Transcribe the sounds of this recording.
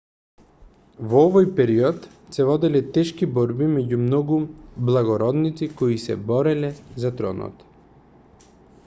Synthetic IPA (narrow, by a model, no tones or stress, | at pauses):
vɔɔvɔjpɛɾiɔt̪ | sɛvɔd̪ɛlɛt̪ɛʃkibɔɾbimɛɟumnɔɡublˠaɡɔɾɔd̪nit̪sikɔisɛ̰bɔɾɛlɛzat̪ɾɔ̰nɔ̰t̪